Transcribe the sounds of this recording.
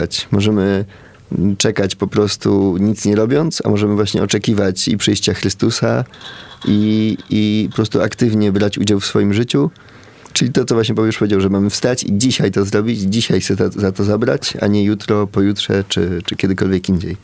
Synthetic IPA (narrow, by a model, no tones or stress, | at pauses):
at͡ɕmɔʐɛmɘ | t͡ʂɛkat͡ɕpɔpɾɔst̪uɲit̪sɲɛɾɔbʲjɔnt̪sa̰mɔʐɛmɘvwaɕɲɛ̰ɔt͡ʂɛkʲivat͡ɕḭpʂɘjɕt͡ɕaxɾɘst̪usa | iiɔpɾɔst̪uakt̪ɘvɲɛbɾat͡ɕud͡ʑawfsfɔjimʐɘt͡ɕu | t͡ʂɘlʲit̪ɔt̪sɔvwaɕɲɛpɔpʲɛʂpɔvʲed͡ʑawʐɛmamɘfst̪at͡ɕḭd͡ʑiɕajt̪ɔzɾɔbʲit͡ɕd͡ʑiɕajxsɛazat̪ɔzabɾa̰t͡ɕa̰ɲɛjut̪ɾɔpɔjut̪ʂɛ̰t͡ʂɘt͡ʂɘkʲɛd̪ɘkɔlvʲjɛkiɲd͡ʑɛj